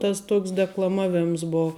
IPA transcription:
ˈtɐs ˈtuɔks dʲɛklˠɐˈmɑːʋʲɪmɐs ˈboː

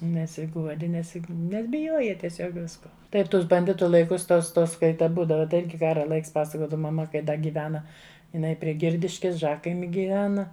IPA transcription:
nʲɛsʲɪˈɡuɔdʲɪ ˈnʲɛs ˈnʲɛs bʲɪˈjuɔjɛ tʲiɛˈsʲoːk ˈʋʲɪskoː ˈtɐɪ ˈtʊs bɐnʲˈdʲɪtʊ lˠɐɪˈkʊs ˈtoːs ˈtoːs ˈkɐɪ tɐ ˈbuːdɐʋɐ tɐɪ ˈɪrʲɡʲɪ ˈkɑːrɐ ˈlˠɐɪks ˈpɑːsɐkoːdɐʋɐ mɐˈmɐ kɐɪ ˈdɐ ɡʲiːˈʋʲæːnɐ ɪˈnɐɪ pʲrʲiɛ ˈɡʲɪrʲdʲɪʃʲkʲɪs ˈʒɑːkɐɪmʲɪ ɡʲiːˈʋʲæːnɐ

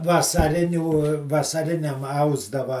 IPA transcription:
ʋɐsɐˈrʲɪnʲuː ʋɐsɐˈrʲɪnʲɛm ˈɐʊzdɐʋɐ

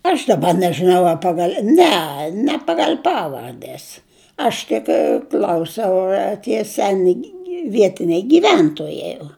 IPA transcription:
ɐʃ dɐˈbɐ nʲɛʒɨˈnɐʊ ɐ ˈpɑːɡɐlʲ ˈnʲɛ nʲɛ ˈpɑːɡɐlʲ ˈpɑːʋɐrʲdʲɛs ˈɐʃ tʲɪk ˈklʲɐʊsʲɛʊ ɐr tʲiɛ ˈsʲæːnʲɪ ˈʋʲiɛtʲɪnʲɛɪ ɡʲiːˈʋʲɛntoːjɛɪ oː

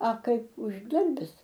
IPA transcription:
ɐ ˈkɐɪp ʊʒˈdɐrʲbʲɪs

